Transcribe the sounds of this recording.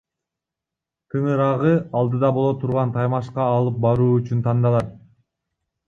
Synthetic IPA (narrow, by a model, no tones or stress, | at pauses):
t̪ʰɯɴɯɾɑʁɯɑlˠd̪ɯd̪ɑbo̞lˠot̪ʰuɾʁɑnt̪ʰɑjmɑʃqɑːlˠɯp̚bɑɾuːyt͡ʃynt̪ʰɑnd̪ɑlˠɑt̪̚